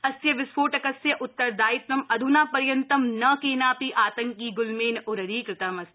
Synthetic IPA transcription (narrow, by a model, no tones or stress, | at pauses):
ɐsjɐʋɪspʰoːʈɐkɐsjɐʔʊt̪ːɐɾd̪aːɪt̪nɐmɐd̪ʱunaːpɐɾjɐnt̪ɐmnɐkeːnaːpiʔaːt̪ɐ̃ŋkiːɡʊlmeːnʊɾɐɾiːkɾɪt̪ɐmɐs